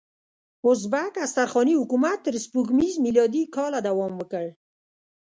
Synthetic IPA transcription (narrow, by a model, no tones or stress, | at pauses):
ʊzbakast̪aɾxɑnihʊkumat̪ːəɾspukmizmilɑd̪ikɑlad̪awɑmwəkəɽ